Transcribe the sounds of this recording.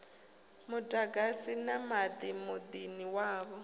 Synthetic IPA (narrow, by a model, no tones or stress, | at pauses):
mʊdʼaɡasinamad̪imʊd̪iniwaːβɔ